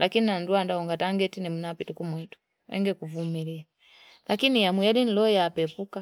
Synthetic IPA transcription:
lakininanduandaɔŋɡataŋɡɛtinimunapitukumwitu̥ | ɛ̰ŋɡɛkuvumilia | lakinijamujalin̩lɔjapɛpuka

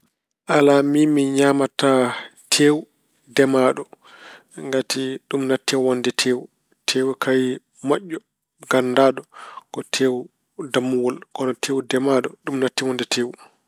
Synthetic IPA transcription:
ʔalamimiɲamatatʰeːwu | dɛmaːɗɔ | ŋɡatiɗumnatːɛwɔndɛtʰeːwu | tʰeːwukaj | maʔːɔ | ɡ̥andaːɗɔkɔtʰeːw | damːuwɔlkɔnɔtʰeːwdɛmaɗɔɗumnatːiwɔndɛtʰeːwu

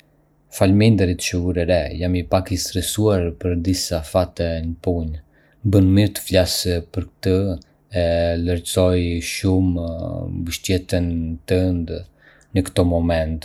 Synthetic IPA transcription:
falmind̪əɾit̪t͡ʃəuɾɛɾɛjamipakist̪ɾɛsuaɾpəɾd̪isafat̪ɛnəpuɲ | bənmiɾt̪ə̥flaspəɾk̚t̪ə | ɛləɾt͡sɔjʃum | bəʃt̪jɛt̪ənt̪ənd̪ | nəkt̪ɔmɔmɛnt̪

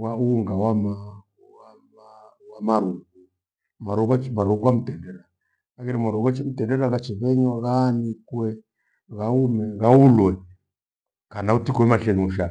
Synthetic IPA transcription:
wauŋɡawama | wamawamaɾuku | maɾuɣat͡ʃmaɾuwamutɛndɛɾa | kakɛɾimaɾuɣat͡ʃim̩tɛndɛɾaɣat͡ʃɛβɛɲɔɣanikwɛ | ɣaumɛɣaulwɛ | kanautikuɛmaɬɛɲuʃa

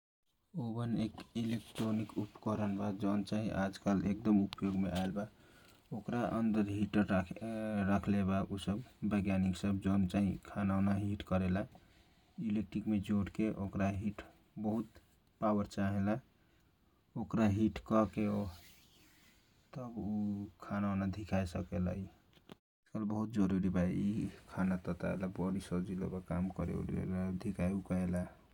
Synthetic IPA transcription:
obənekilekʈɾonikupkəɾənbad͡ʒɔʊnt͡ʃaɦiʔad͡ʒkalek̚d̪əmupjoɡmeaelba | okɾaʔənd̪əɾɦiʈəɾ | ɾakʰlebaʔusəbːəɡjaniksəb̚d͡ʒɔʊnt͡ʃaɦḭkʰanaʊnaɦiʈkəɾela | ilek̚ʈɾikmed͡ʒoʈkeʔokɾaɦiʈ | bəɦut̪ | pawəɾt͡ʃaɦela | okɾaɦiʈkɔkeo | t̪əbukʰanaonad̪ʱikʰajsəkela̰i | kəlbəɦut̪̚d͡ʒəɾuɾibaeikʰanat̪ɔt̪a̰ḛlabɔɾisəd͡ʒilo̰bakamkəɾḛɾḛlad̪ʱikʰajukəela

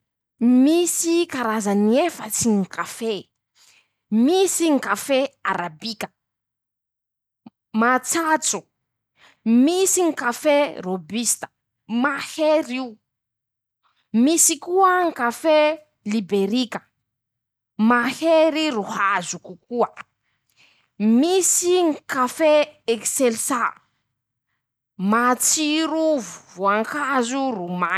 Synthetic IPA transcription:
misikaɾazaniefət͡siŋkafe | misiŋkafeaɾabikʲə̥ | mat͡sat͡su | misiŋkaferobist̪ə̥ | maheɾiu | misikuəŋkafe | libeɾikə̥ | maheɾiɾuhazukukuə | misiŋkafeekselsa | mat͡siɾuvuvoaŋkazuruma

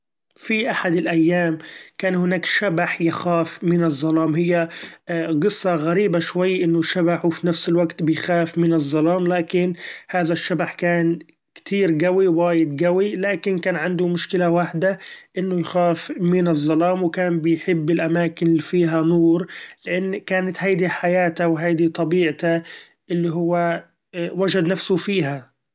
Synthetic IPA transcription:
fiʔaħad̪ɪlʔajːaːmkaːnhɪnaːkʃabaħjɪxaːfmɪnɨzˤːɑlɑːmɦɪjːa | ɡɨsˤːɑɣaɾiːbaʃwajːʔɪnːʊʃabaħwfinafsɪlwaɡt̪bɪjxaːfmɪnɨzˤːɑlɑːmlaːkɪnhaːðaʃːabaħkaːn | kt̪ʰiːɾɡawiwaːjɪd̪ɡawilaːkɪnkaːnʕand̪ʊmʊʃkɪlawaħd̪aʔɪnːʊjxaːfmɪnɨzˤːɑlɑːmwkaːnbɪjħɪbːɪlʔamaːkɪnɪlifiːɦanuːɾlɪʔanːkaːnat̪hajd̪iħajaːt̪awɦajd̪it̪ˤɑbiːʕt̪a | ʔɪlːiɦʊwːa | wad͡ʒad̪nafsʊfiːɦa

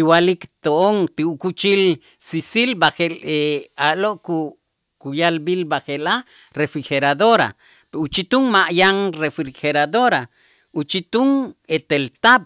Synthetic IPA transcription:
iwalikt̪oʔoŋt̪iukut͡ʃil | sisilbaχeleaʔloʔku | kujalbilbaxela | ɾefɾixeɾaðoɾa̰ | put͡ʃit̪uŋmaʔjaŋrefixeɾad̪oɾa | ut͡ʃit̪uŋet̪elt̪aɓ̚

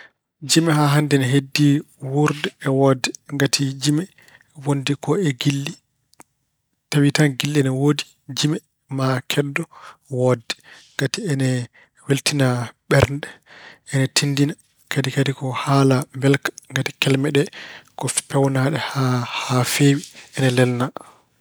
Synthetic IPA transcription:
d͡ʒimɛɦaɦandɛnɛɦedːi | wuɾdɛːwɔdːɛŋɡatʰid͡ʒimɛ | wondikɔɛɡilːi | tawitanɡilːɛnɛwodi | d͡ʒimɛ | makʰɛdːɔwɔdɛŋɡatiɛnɛ | weltinaɓɛɾndɛʔɛnɛtʰindina | kadikadikɔhalambɛlkḁŋɡatikɛlmɛɗɛkɔ̥pɛwnaɗɛhahafewiɛnɛlɛlna

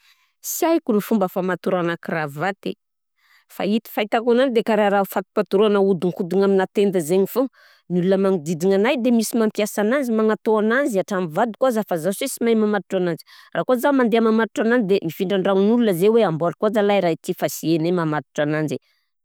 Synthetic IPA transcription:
siajkunifumbəfamat̪uɾanakiravat̪ḛ | fa̰it̪i̥fait̪akananid̪ekaɾaɾaufat̪u̥pat̪uɾuanəud̪iŋkud̪iŋaminat̪end̪əzeɲifu | nulunəmaŋid̪id̪iŋanajd̪emisimampiasanand͡zimanat̪oananziaʈ͡ʂamivad̪ukuazafazasesimajmamat̪uʈ͡ʂanani̥raːkuzamand̪eamamat̪iʈ͡ʂanand͡zid̪emifiɳɖ͡ʐaɳɖ͡ʐanulunəzeweambolkuad͡zalajɾait̪ifasienemamat̪u̥ʈ͡ʂanand͡ʒe

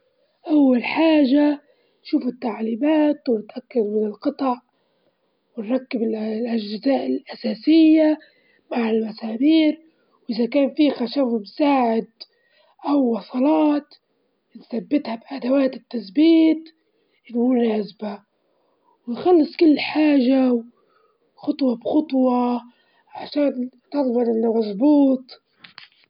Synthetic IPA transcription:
ʔawːalħaːʒa | nʃuːfɪt̪ːaʕliːmaːt̪wnɪt̪ʔakːad̪mɪnɪlqɑt̪ˤɑʕ | wɪnɾˤɑkːɪbɪllʔaʒɪzaːʔɪlʔasaːsɪjːa | maʕɪlmasaːmiːɾ | wʔɪzakaːnfiːxaʃafmsaːʕɪd̪̚ | ʔawːɑsˤɑlɑːt̪ | nθabːɪt̪habʔad̪awaːt̪ɪt̪ːaθbiːt̪ | ʔlʊlaazba | wɪnxɑlːɨsˤkʊlːħaːʒaw | xʊt̪ˤwɑbxʊt̪ˤwɑ | ʕaʃaːn | t̪ɑɾˤbɑnʔɪnːamɑzˤbuːt̪ˤ

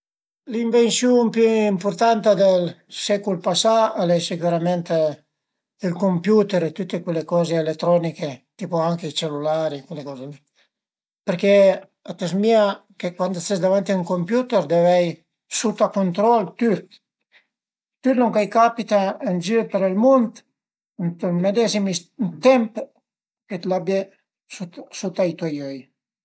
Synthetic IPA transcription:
liɱvensjumpyimpuɾt̪ant̪ad̪elsɛkulpasaalɛjsikuɾamɛnt̪ | ilkompjut̪ɛɾet̪ut̪ːekwelːekɔːzeːlet̪ːɾɔniket̪ipoaŋkeit͡ʃelulaɾikwelːekɔːze | peɾke | at̪ɛsmiakekwand̪st̪esd̪avant̪iuŋkompjut̪eɾd̪evɛj | sut̪akont̪ɾɔlt̪yt̪ | t̪yt̪noŋkajkapit̪aənd͡ʒypeɾɛlmunt̪ | nt̪lmed̪ɛzimint̪ɛmp | ket̪labje | susut̪ajt̪uajøj

